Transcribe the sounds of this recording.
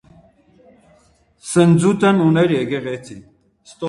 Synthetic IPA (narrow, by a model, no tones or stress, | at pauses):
sənd͡zut̪ɐnunɐɾeɡeʁet͡sʰḭ | st̪o